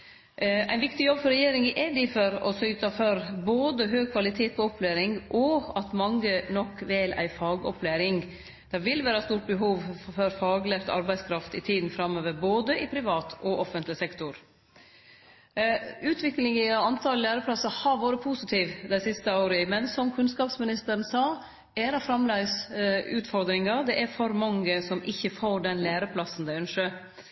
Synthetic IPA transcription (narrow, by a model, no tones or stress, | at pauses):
æɪnʋɪkt̪ɪjɔbfɔɾɛjeːɾɪŋɪʔæd̪ɪfɔɾɔ̰sʏʏt̪ɑfɔɾboːd̪əɦøːɡ̚kʰʋɑlɪt̪ʰeːt̪̚pʰɔɔplæːɾɪŋʔɔɑt̪mɑŋːənɔkːʋɛlæ̰ɪfɑːɡɔpʰlæːɾɪŋ | d̪̥ɛʋɪlʋæːɾɑst̪uːʈ̚bəɦuːʋfɔɾfɑːɡlɛft̪ɑ̰ɾbæɪskʰɾɑft̪ɪt̪ʰiːd̪n̩fɾɑmːøːʋəɾboːd̪əʔɪpʰɾɪʋɑːt̪ʰʔɔʔɔfənt̪lɪsɛkt̪ʊɾ | ʉːt̪ʰʋɪklɪŋəɑnt̪ʰɑllːæːɾəpʰlɑsːɑhɑɾʋoːɾəpʰuːsɪt̪ʰiːʋd̪æɪsɪst̪əoːɾəəmɛnsɔmkʰʉnskɑːpsmɪnɪst̪əɾn̩sɑː | æɾɑfɾɑmlæɪsʉːt̪fɔɾd̪ɾɪŋɑd̪ɛʔæɾfɔɾmɑŋəsɔmɪçːəfoːɖɛnlæːɾəpʰlɑsːn̩d̪æɪœnʂə